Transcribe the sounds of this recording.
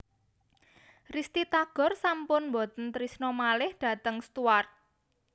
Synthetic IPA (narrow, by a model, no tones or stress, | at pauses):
rist̪it̪aɡ̥ɔ̤rsampʊnmbɔt̪ənt̪ɾisnɔmalɪhd̥ä̤t̪əŋst̪uar